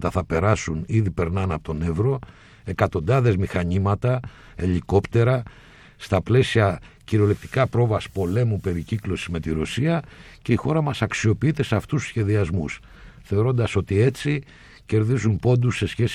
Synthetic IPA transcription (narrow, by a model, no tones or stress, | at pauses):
t̪ɐθɐpe̞ɾɐsuniðipe̞ɾnɐnɐpot̪one̞vɾo̞ | e̞kɐt̪o̞nd̪ɐðe̞zmixɐɲimɐt̪ɐ | e̞ʎiko̞pt̪e̞ɾɐ | st̪ɐple̞siɐ | ciɾo̞lek̚t̪i̥kɐpɾo̞vɐspo̞le̞mupe̞ɾiciklo̞sizme̞t̪iɾo̞siɐce̞ixo̞ɾɐmɐsɐksio̞piit̪e̞seɐft̪ussçe̞ðiɐzmus | θe̞o̞ɾo̞nd̪ɐso̞t̪ie̞t͡si | ce̞ɾðizumpo̞nd̪usːe̞sçe̞s